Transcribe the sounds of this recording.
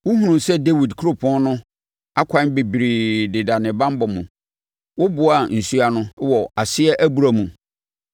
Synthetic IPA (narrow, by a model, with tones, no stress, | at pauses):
wʊ˦ɦũ˦nũ˨sɛ˦de˦wi˨dkʰu˦ɾo˦pʰɔ̃˦nnʊ̃˦ | a˦kʰʷã˦be˨bi˨ɾi˨dɪ˨da˨nɪ̃˨bã˦m˦bɔ˨mṵ̃˨ | wʊ˦bʊ˨a˨n̩˨su˦a˨nʊ̃˦wɔ˨a˨sɪ˦ɛ˦ʔæ˦bu˨ɾa˨mũ˨